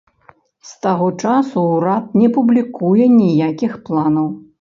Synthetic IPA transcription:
st̪aɣɔt͡ʂasuːɾat̪̚nʲɛpublʲikujɛnʲijakʲixplˠanɐw

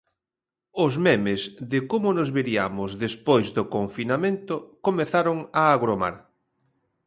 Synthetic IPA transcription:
ʊzmɛmɪzðɪkomʊnozβeɾia̰mʊzðespojzðokoɱfinamẽnt̪ʊkomeθaɾoŋaːɣɾoma̰ɾ

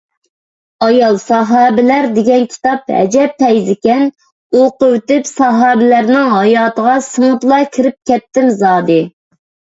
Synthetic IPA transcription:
ɑjɑlˠsɑɦɑːbɪlæɾd̪ɪɡʲɛnkʲʰi̥t̪ɑp̚hɛ̰d͡ʒɛp̚t̪ʰɛjzɪkʲɛn | oqʊwt̪ɪpsɑɦɑːbɪlæɾnɪŋɦɑjɑːt̪əʁɑsɨŋʊt̪lˠɑkʲʰiɾɪp̚kʲʰɛt̪ːɪmzɑːd̪ɨ

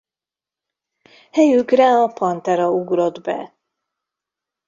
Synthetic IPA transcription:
hɛjykrɛɒpɒnt̪ɛɾɒuɡɾo̞d̪bɛ̰

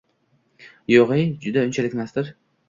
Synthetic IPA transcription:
joʁejd͡ʒʊd̪aʊnt͡ʃʰalɪkʲmasd̪ɪɾ

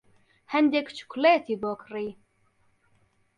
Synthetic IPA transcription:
hɛnd̪ekt͡ʃʰu̥klɛt̪ʰibɔːkriː

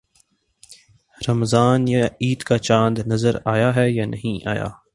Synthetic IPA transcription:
ɾɐmzaːnjaiːd̪kat͡ʃãːnd̪nɐzəɾaːjaɦɛjaːnɐ̰ɦĩʔa̰ːja̰ː

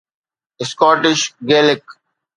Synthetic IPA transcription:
ɪskɔːʈɪʃɡeːlɪk

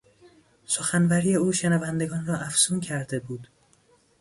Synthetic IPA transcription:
so̞xænvæɾiːje̞uːʃenævænd̪e̞ɡɒːnrɒːʔæfsuːncʰæɾd̪e̞buːd̪

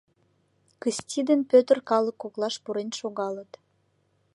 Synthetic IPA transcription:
kəsʲtʲid̪ənpøt̪ərkɑləkːoklɑʃpuɾenʃoɣɑlət̪

